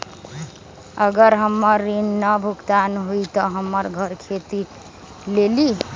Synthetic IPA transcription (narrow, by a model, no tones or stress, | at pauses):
əɡəɾɦəmːəɾːinːəbʱuɡt̪anɦuit̪ɔɦəmːəɾɡʱəɾkʰet̪i | leli